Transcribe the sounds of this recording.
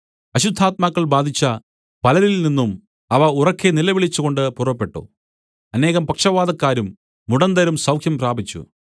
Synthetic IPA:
ɐɕud̪ʱːaːt̪̚maːkːɐɭbaːd̪ʱit͡ɕːɐ | pɐlɐɾilninːum | ɐʋɐurɐkːenilɐʋiɭit͡ɕːuɣo̞ɳɖɨpurɐpːe̞ʈːo̰ː | ɐne̞ːɣɐmpɐkʂɐʋaːd̪ɐkːaːɾumː | uɽɐnd̪ɐɾumsɐwkʰjɐmpraːbʱit͡ɕːṵ

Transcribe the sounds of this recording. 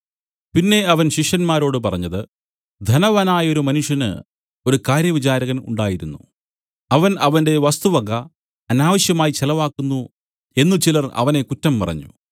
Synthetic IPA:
pinːe̞ɐʋɐnɕiʂjɐnmaːɾo̞ːɽɨp̬ɐrɐɲːɐðɨ | d̪ʱɐnɐʋanaːjɐo̞ɾumɐnuʂjɐnɨ̰ | o̞ɾukaːɾjɐʋit͡ɕaːɾɐɣɐnṵɳɖaːjiɾunːu | ɐʋɐnɐʋɐnde̞ʋɐst̪uʋɐɡɐ | ɐnaːʋɐɕjɐmaːjit͡ɕelɐʋaːkːunːu | e̞nːut͡ɕilɐrɐ̰ʋɐne̞kutːɐmpɐrɐ̰ɲːṵ

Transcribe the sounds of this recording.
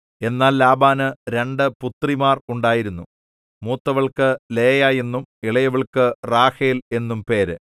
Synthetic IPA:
e̞nːaːllaːbaːnɨɾe̞ɳɖɨput̪rimaːruɳɖaːjiɾunːu | muːt̪ːɐʋɐɭkɨleːjaːje̞nːumiɭɐjɐʋɐɭkɨraːhiːle̞nːumpe̞ːɾɨ

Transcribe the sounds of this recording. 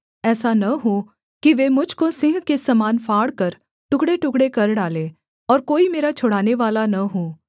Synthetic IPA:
ɛːsanɐɦo | kiʋeːmʊd͡ʒʱkosɪ̃ŋɦkesɐmaːnfʰaːɽkɐɾ | ʈʊkɽeʈʊkɽekɐɾɖaːleː | ɔːɾkoːimeːɾat͡ʃʰʊɽaːneʋaːlanɐɦoː

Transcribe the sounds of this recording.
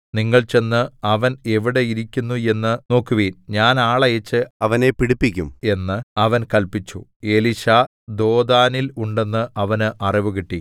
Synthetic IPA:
niŋːɐɭt͡ɕe̞nːɨɐʋɐne̞ʋiɽeiɾikʲːunːue̞nːɨno̞ːkːuʋeːnɲaːnaːɭɐjet͡ɕːɨɐʋɐne̞piɽipːikʲːume̞nːɨɐʋɐnkɐlpit͡ɕːṵe̞liɕa | d̪o̞ːd̪aːniluɳɖe̞nːɨʔɐʋɐnɨʔɐriʋuɣiʈːi

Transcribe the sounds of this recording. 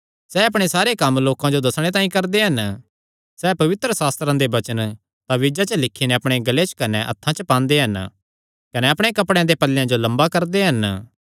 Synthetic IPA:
sɛːɐpɽ̃esaːɾekɐmloːkãd͡ʒod̪ɐsɽ̃et̪̬ãːĩkɐɾd̪eɦɐn | sɛːpɐʋɪt̪ɾəsaːst̪ɾãd̪ebɐt͡ʃən | t̪ãʋɪd͡ʒat͡ʃəlɪkʰːinɛɐpɽ̃eɡɐlet͡ʃkɐnɛʔɐ̰t̪ʰːãt͡ʃəpãːnd̪eɦɐn | kɐnɛɐpɽ̃ekɐpɽẽãd̪epɐlːjãd͡ʒolɐ̃mbakɐɾd̪eɦɐn

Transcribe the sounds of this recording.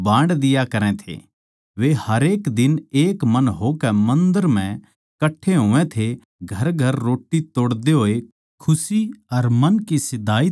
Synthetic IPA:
bãːɳɖd̪ɪjakɐɾɛ̃t̪ʰḛ | ʋehɐɾeːkd̪ɪneːkmɐnɦokɛmɐ̃nd̪əɾm̤ɛ̃ | kɐʈʰːeɦõːɛ̃t̪ʰe | ɡʱɐɾɡʱɐɾːoːʈːit̪oːɽd̪eɦoːe | kʰʊsiɐɾmɐnkisɪd̪aːi

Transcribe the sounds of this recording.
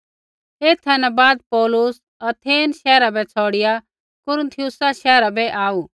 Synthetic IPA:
eːt̪ʰːɛ̃nɛbaːd̪̚pɔːlʊs | ɐt̪ʰeːnʃɛːɾabɛt͡sʰɔːɽɪja | kʊɾ̃nt̪ʰɪjʊsaʃɛːɾabɛʔaːuː

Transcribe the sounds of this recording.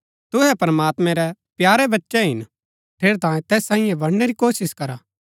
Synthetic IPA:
t̪ʊɦɛpɾɐmaːt̪mɛ̃ɾɛpjaːɾɛbɐtːʃɛɦɪn | pʰeːɾt̪ãːẽt̪ɛːsːãːɪ̃jɛ̃bɐɽneɾikoːsɪskɐɾaː

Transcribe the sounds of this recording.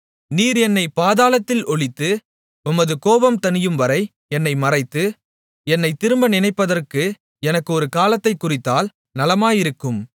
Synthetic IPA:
niːɾɛnːɐɪpaːðaːlɐt̪ːɪlɔɭɪt̪ːɯ | ʊmɐðɯkoːʋɐmt̪ɐnɪjɯmʋɐɾɐɪ | ɛnːɐɪmɐrɐɪt̪ːɯ | ɛnːɐɪt̪ɪɾɯmbɐnɪnɐɪpːɐðɐrkɯ | ɛnɐkːɯɔɾɯkaːlɐt̪ːɐɪkːʊrɪt̪ːaːl | nɐlɐmaːjɪɾɯkːɯm

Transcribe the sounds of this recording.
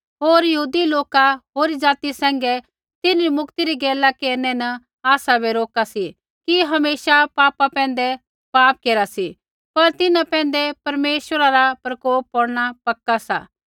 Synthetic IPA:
ɦoːɾjɐɦuːd̪iloːkaɦoːɾid͡ʒaːt̪isɛ̃ːŋ̆ɡɛ | t̪ɪnɾimʊkt̪iɾiɡɛːlakeːɾnɛnɐ | aːsabeɾoːkasi | kiɦɐmeːʃapaːpapɛ̃ːnd̪ɛ | paːp̚keːɾasi | pɐɾt̪ɪnãpɛ̃ːnd̪ɛpɐɾmeːʃəɾaɾapɾɐkoːpːɔɽɽ̃apɐkːasa̰ː

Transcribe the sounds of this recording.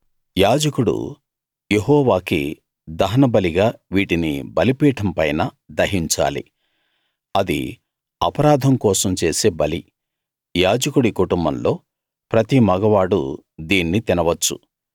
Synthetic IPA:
jaːd͡ʒɐkuɽṵ | jeɦɔːʋaːkḭ | d̪ɐɦɐnɐbɐliɡaːʋiːʈinḭbɐlipiːʈʰɐmpɐjnɐ | d̪ɐɦiɲt͡ʃa̰ːlḭ | ɐd̪ḭ | ɐpɐɾaːd̪ʱɐmkɔːsɐmt͡ʃe̞ːseːbɐli | jaːd͡ʒɐkuɽikuʈumbɐnlo̞ː | pɾɐt̪imɐɡɐʋaːɽṵd̪iːnːit̪inɐʋɐt͡ʃːṵ

